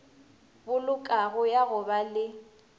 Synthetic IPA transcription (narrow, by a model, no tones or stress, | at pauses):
bʊlʊkʼaɣʊjaɣʊbalɪ